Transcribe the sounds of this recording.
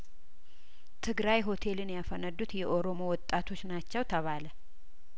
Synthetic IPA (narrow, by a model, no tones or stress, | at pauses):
t̪ʰɨɡɾajɦo̞t̪ʰe̞lɨnjafənəd̪ːut̪jɛʔo̞ɾo̞mo̞wɔt̪ʼːat̪ʰo̞t͡ʃːnat͡ʃːɛwt̪ʰəβalə